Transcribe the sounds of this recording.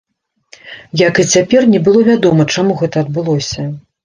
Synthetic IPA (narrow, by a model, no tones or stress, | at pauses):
jakɨt͡sʲapʲɛrnʲɛbɨlˠɔvʲad̪ɔmɐt͡ʂamuɣɛt̪ɐːd̪̚bɨlˠɔsʲɐ